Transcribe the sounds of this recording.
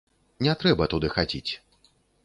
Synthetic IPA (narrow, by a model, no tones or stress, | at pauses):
nʲɛt̪ɾɛbɐt̪ud̪ɨxad͡zʲit͡sʲ